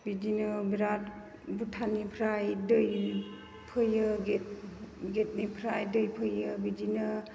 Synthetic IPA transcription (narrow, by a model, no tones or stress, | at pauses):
bidinɯbiɾat | butʰanipʰɾajdɯj | pʰɯjɯɡet̚ɡet̚nipʰɾajdɯjpʰɯjɯbidinɯ